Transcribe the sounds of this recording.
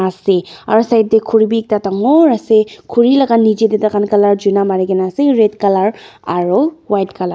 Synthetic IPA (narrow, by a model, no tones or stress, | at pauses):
asea̰ɾsajt̚dekʰuɾibik̚tataŋoɾasekʰuɾilɐɡanid͡ʒededakankɐlaɾd͡ʒunamaɾeɡenaseɾetkɐlaɾaɾolwajt̚kɐla